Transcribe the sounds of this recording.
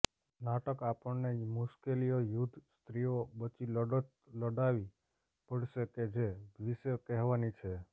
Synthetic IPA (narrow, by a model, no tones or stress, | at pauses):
naʈəkapəɳnemuʃkelijojud̪ʱst̪ɾiobət͡ʃiləɖət̪ | ləɖaʋi | pəɽʃeked͡ʒeʋisekɛɦʋanit͡ʃʰe